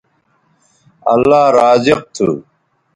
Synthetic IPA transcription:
ɐ̰lːaːɾaːd͡ʑiq̚t̪ʰṵ

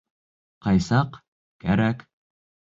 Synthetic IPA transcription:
qɑjsɑq | kæɾæk

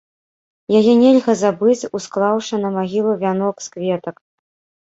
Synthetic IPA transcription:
jajɛnʲɛlʲɣɐzabɨt͡sʲusklˠawʂɐnɐmaɣʲilˠuvʲanɔkskvʲɛt̪ɐk

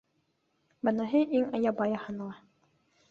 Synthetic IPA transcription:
bɤ̆nɑɦɤʔiŋɑjɑbɑjɑhɤnlˠɑ

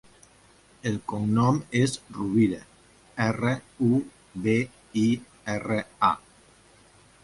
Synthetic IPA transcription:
elkoŋnɔmezruβiðe | ɛreu | be | i | ɛrea̰

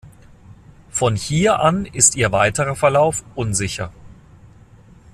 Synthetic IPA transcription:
fɔnhiːɐʔanɪstiːɐvaɪtəʁɐfɛɐlaʊfʔʊnzɪçɐ

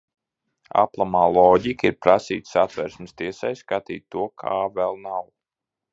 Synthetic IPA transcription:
a̰plˠamaːlˠɔːɟikiɾpɾasḭːt̪sat̪vɛɾsmɪst̪iɛsajskat̪ḭːt̪ːuɔkʰaːvɛlˠnaw

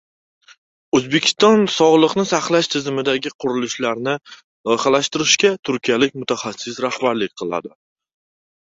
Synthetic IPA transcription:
ɵzbekʲʰɪ̥st̪ɒnsɒʁlˠɨqnɪsaχlˠaʃt̪ʰɪzɪmɪd̪aɡʲɪqʰʊɾɪlɪʃlaɾnɪ | lˠɒjχalaʃt̪ɪɾɪʃkʲat̪ʰʊɾkʲijalɪk̚ʲmʊt̪ʰaχasːɪsɾahbaɾlɪk̚ʲqʰɨlˠa̰d̪ɪ

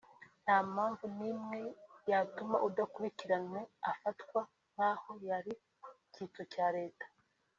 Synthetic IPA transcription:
n̥hamaːɱvunimŋe̞jatuma̰ʔudakuɾiciɾanweafatkwa | n̥haho̞jaɾi | ciːt͡socaːɾe̞ːtḁ

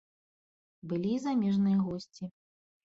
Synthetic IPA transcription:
bɨlʲizamʲɛʐnɨjɐɣɔsʲt͡sʲi

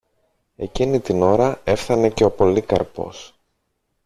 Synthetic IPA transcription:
e̞cinit̪ino̞ɾɐe̞fθɐne̞ce̞o̞po̞likɐɾpo̞̰s

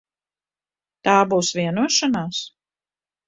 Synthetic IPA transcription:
t̪aːbuːsvʲiɛnuɔʃanaːs

